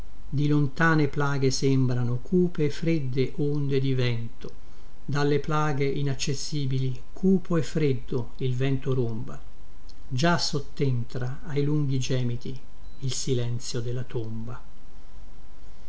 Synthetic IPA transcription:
d̪ilont̪aːneplaːɡesembɾanokʰuːpeːfɾed̪ːeʔond̪ed̪ivɛnt̪o | d̪alːeplaːɡeʔinat͡ʃːesːiːbili | kʰuːpʰoefːɾed̪ːo | ilvɛnt̪oɾomba | d͡ʒasot̪ːent̪ɾa | ajluŋɡid͡ʒɛːmit̪i | ilsilɛnt̪sjod̪elːat̪omba

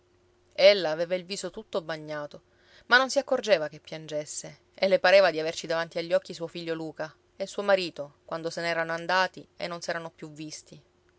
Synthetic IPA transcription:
elːaːveːvailviːsot̪ut̪ːobaɲːaːt̪o | manːonsiakːord͡ʒeːvakepːjand͡ʒesːe | elːepaɾeːvad̪iavert͡ʃid̪avant̪iaʎːɔkːisuofiʎːoluːka | esuːomaɾiːt̪okwand̪osenɛːɾanoand̪aːt̪iḛnːonsɛːɾanopjuvːist̪i

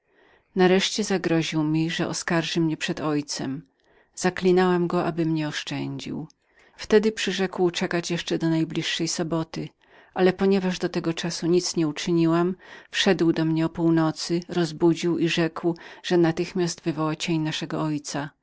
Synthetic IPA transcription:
naɾɛʂt͡ɕɛzaɡɾɔʑiwmʲiʐɛʔɔ̰skaɾʐɘmɲɛpʂɛd̪ɔjt̪sɛm | z̥aklʲinawamɡɔʔabɘmɲɛɔʂt͡ʂɛɲd͡ʑḭw | ft̪ɛd̪ɘpʂɘʐɛkwt͡ʂɛkat͡ɕjɛʂt͡ʂɛd̪ɔnajblʲiʂːɛjsɔbɔt̪ɘ | ʔalɛpɔɲɛvaʐd̪ɔt̪ɛɡɔt͡ʂasuɲit̪sɲɛut͡ʂɘɲiwamfʂɛd̪wd̪ɔmɲɛɔpuwnɔt̪sɘɾɔzbud͡ʑiwiʐɛkwʐ̥ɛnat̪ɘxmʲjast̪vɘvɔwat͡ɕeɲnaʂɛɡɔɔjt̪sa

